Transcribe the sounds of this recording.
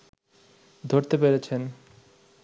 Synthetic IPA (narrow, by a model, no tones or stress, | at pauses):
d̪ʱoɾt̪epeɾet͡ɕʰen